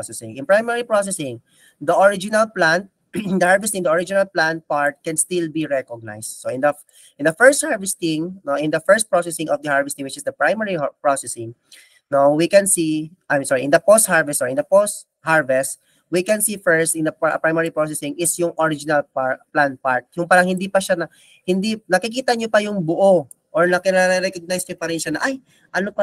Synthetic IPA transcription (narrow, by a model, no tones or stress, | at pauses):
sɛsɪ̰̃ŋʔɪ̃npɹajmɛɹipɹos̬ɛsɪ̃ŋ | d̪ɐʔɔɹɪd͡ʒɪnɐlplan | d̪ɐhaɹvɛst̪ɪ̃ŋd̪ɐʔoɹɪd͡ʒɪnalplãnpaɹt̪̚kɛnst̪ɪlbiɹɛkɔɡ̚na̰jsd̪̥̚soɪ̃nd̪ɐ | ʔɪ̃nd̪ɐfɛɹst̪̚haɹvɛst̪ɪ̃ŋnoʔɪ̃nd̪ɐfɛɹst̪̚pɹosɛsɪ̃ŋɔvd̪ɐhaɹvɛst̪ɪŋwɪt͡ʃɪsd̪ɐpɹajmɛɹipɹosɛsɪ̃ŋ | nowikɛ̃nsiʔamsoɹiʔɪ̃nd̪ɐpost̪̚haɹvɛst̪ʔɔɹɪ̃nd̪ɐpost̪ | haɹvɛst̪ | wikɛnsifɛɹst̪ɪ̃nd̪ɐppɹajmɛɹipɹosɛsɪ̃ŋɪsjʊŋʔoɹɪd͡ʒɪnɐlpaplanpaɹt̪̚jʊŋpaːɾɐŋhɪnd̪ipɐʃanɐ | hɪnd̪inɐkɪkiːt̪ɐɲopɐjʊŋbʊʔo | ʔɔɹnɐkɪnɛɾɛɾɛkoɡ̚najsɲopɐɾɛnʃanɐʔaj | ʔɐnopɐ